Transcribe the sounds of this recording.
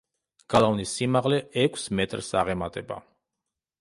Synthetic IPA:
ɡ̥alˠavnisːimaʁlɛɛkʷʰsmɛt̪ʼɾsaʁɛmat̪ʼɛba̰

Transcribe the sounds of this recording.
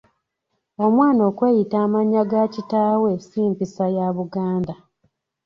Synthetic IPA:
o̞mwaːno̞ːkwe̞ːjitaːmaɲːaɡacitaːwesiːmpisajaβuɡaːnda

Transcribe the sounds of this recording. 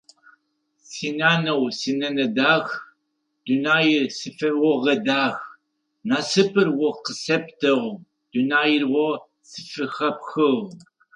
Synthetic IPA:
sinaːnɐwsinɐnɐdaːx | d̥unaːjɪrsɨfɐrwɔʁɐdaːx | naːsɨpʰɨrwɔqəsɐptʰɐʁʷ | d̥unaːjɪrwɐ | sɨ̥fɨxɐpxɨʁ

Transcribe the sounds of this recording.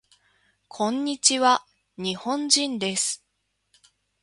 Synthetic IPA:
kʰõ̞ɲ̟ːit͡ɕiβa | ɲ̟ihõ̞ɲd͡ʑĩnd̪e̞sɨ̥

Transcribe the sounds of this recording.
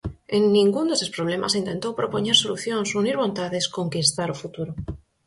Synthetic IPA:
enːĩŋɡund̪esepɾoβ̞lema̰sint̪e̞nt̪owpɾopoɲeɾsoluθjonsuniɾβ̞ont̪aðeskoŋkist̪aɾofut̪uɾo

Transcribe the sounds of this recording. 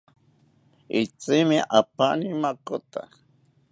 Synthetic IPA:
it͡simiʔapanimakot̪a̰

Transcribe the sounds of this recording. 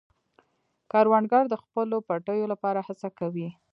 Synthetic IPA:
kɑɾwanɡɑɾd̪əxpəlopaʈəjolapɑɾahat͡sakawi

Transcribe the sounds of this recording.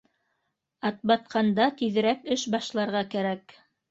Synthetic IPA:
ɑt̪̚bɑt̪̚qʰɑnd̪ɑt̪iðɘ̆ɾækɘʃbɑʃlˠɑɾʁɑkæɾæk

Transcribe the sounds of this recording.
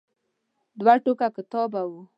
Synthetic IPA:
d̪waʈokakɪt̪ɔbawu

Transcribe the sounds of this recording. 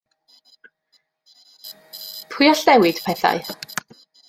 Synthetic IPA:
pʰʊjɔɬnɛwɪd̥pʰɛθa̰j

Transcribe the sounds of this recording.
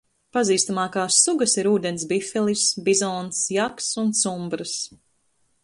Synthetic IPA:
paziːst̪amɑːkaːsːuɡasiɾuːd̪ens̬bifɛlˠisbizɔːnsjaksunt̪sumbɾɨs

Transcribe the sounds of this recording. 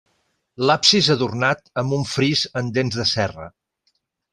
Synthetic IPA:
lapsizəðurnat̪əmbuɱfɾizənd̪enzðəsɛrə̰

